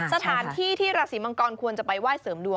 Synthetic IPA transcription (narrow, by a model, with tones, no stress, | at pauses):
sa˧t̪ʰaː˩˦nt̪ʰiː˥˩t̪ʰiː˥˩ɾaː˧siː˩˦ma˧ŋkɔː˧nkʰu˧ənt͡ɕa˨˩pa˧jwaː˥˩jsɤː˩˦mdu˧